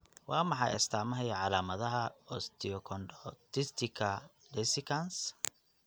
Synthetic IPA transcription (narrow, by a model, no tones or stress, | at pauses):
wɑːmɑħɑ̰jɐ̰st̪ʰaːmɐɦɛjɐʕɑlaːmɐðɐɦɐɔst̪ʰɪɔkʰɔnɖɔt̪ɪst̪ʰɪkʰɐ | dɛsɪkʰɐns